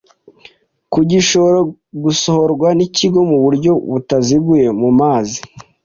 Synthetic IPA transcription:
kuɟiʃoɾo | ɡusohoɾɡwaniciɡo̞muβuɾɟo̞βutaziɡuje̞mumaːzi

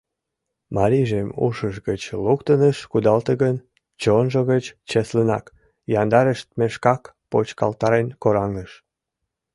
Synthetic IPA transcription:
mɑɾiʒemṵʃəʃɡət͡ɕlukt̪ənəʃkud̪ɑlt̪əɣən | t͡ɕonʒoɣət͡ɕt͡ɕeslənɑ̰k | jɑnd̪ɑɾəʃt̪̚meʃkɑk | pot͡ɕkɑ̰lt̪ɑɾenkoɾɑŋnəʃ

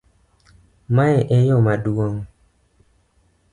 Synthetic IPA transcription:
maɛʔɛjɔmaduoŋ

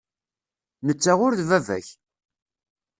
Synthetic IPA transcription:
nət͡sːaʁʊɾðvævæ̰ç

